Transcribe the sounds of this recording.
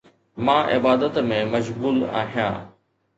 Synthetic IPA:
mãːʔɪ̰baːd̪ət̪mẽmɐʃɡuːla̰ːɦijã̰ː

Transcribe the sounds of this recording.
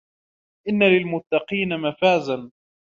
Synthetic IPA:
ʔɪnːalɪlmʊt̪ːɑqiːnamafaːzan

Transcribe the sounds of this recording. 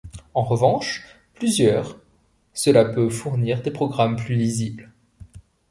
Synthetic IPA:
ɑ̃ʁəvɑ̃ʃ | plyzjœːʁ | səlapøvfuʁniːʁd̪epχɔɡʁamplylizibl

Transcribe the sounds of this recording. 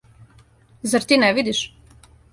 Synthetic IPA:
zaɾt̪iːnɛʋid̪iʃ

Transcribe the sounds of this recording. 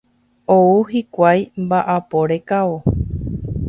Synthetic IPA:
ouɦikʷajmbaʔapo̞ɾe̞kao

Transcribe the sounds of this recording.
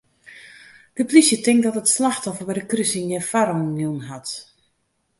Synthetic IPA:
d̥əplisjətɪŋk̚dɔtətslaxtɔfərbɛdəkrysinjɛfaɾonjunɦat

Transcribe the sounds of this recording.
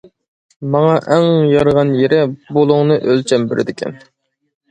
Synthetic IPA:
mɑŋɑʔɛŋjɑɾʁɑnjeɾɪbolˠʊŋnɨʔølt͡ʃʰɛmbɪɾʔɪ̰d̪ɪkʲʰɛ̰n

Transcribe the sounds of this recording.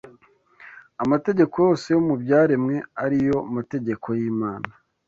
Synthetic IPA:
amate̞ɟe̞ko̞jo̞ːse̞jomubjaːɾemŋe̞aɾijo̞mate̞ɟe̞kʰo̞jiːmaːna

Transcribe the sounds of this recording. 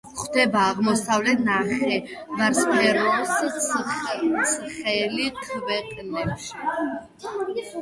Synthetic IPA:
χd̪ɛbaːʁmɔsavlɛt̪ʰnaχɛ | vaɾspʰɛɾɔs | sʰχɛliqʰvɛqʼnɛpʃi̥

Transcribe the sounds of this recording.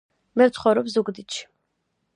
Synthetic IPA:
mɛɾt̪ʰχɔɾɔpszuɡd̪it̪ʃʰi̥

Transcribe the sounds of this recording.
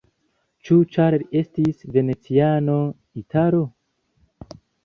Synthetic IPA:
t͡ʃut͡ʃaɾeɾestisve̞net͡siano̞ | itʰaɾo

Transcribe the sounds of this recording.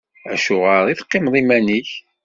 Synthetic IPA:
æ̰ʃʊʁəɾˤiθqːɪmðˤimæniç

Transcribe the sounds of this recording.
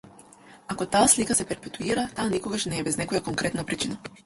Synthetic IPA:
akot̪aːslikasɛpɛɾpɛt̪uiɾat̪aːnikoɡaʃnɛːbɛznɛkojakoŋkɾɛt̪napɾit͡ʃina

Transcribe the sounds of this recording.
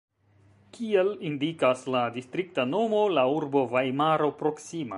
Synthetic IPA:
kʰielindikasladistɾik̚tano̞mo̞lauɾbo̞vajmaɾo̞pɾo̞ksima̰

